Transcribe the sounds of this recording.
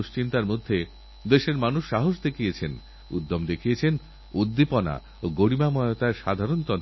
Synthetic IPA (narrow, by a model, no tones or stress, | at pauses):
ʃt͡ɕint̪aɾmod̪ʱːe | d̪eʃeɾmanuʃːaɦoʃ̬d̪ekʰijet͡ɕʰen | ṵd̪ːomd̪ekʰijet͡ɕʰen | ud̪ːipɔna̰ | oɡoɽimamɔeot̪aeɾʃad̪ʱaɾont̪ɔn